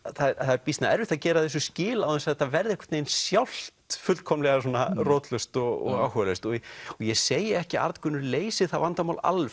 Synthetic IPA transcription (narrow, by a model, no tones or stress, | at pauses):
θaθaɛɾpist̪naɛ̰ɾvɪθaðcɛːɾaðɛs̬ʏscɪːlawɛnsaθavɛɾðɪɛhkʰḁɾt̪nejnsjawl̥t̪fʏlkʰɔmlɛɣasɔːnarɔːt̪lœst̪ɔɣɔ̰ɣawhœlœɥst̪ɔɔjɛseːjɪɛhcɪa̰ɾt̪kʰʏnːʏɾleːjsɪθaðvant̪amaːwla̰lf